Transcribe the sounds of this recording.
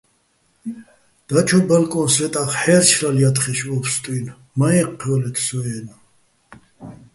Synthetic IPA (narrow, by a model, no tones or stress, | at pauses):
d̪̥at͡ʃʰɔbɛlkʼɔnsɛt̪ʼaχħɛːɾt͡ʃʰɾaljat̪χɛʃvɔpʰst̪ʼwin | maɛqʰːɔlɛt̪ʰsɔɛna